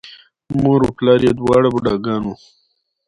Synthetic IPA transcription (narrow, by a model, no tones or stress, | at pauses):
moɾuplɑːɾjed̪wɑːɽabuɖaːɡɑːnu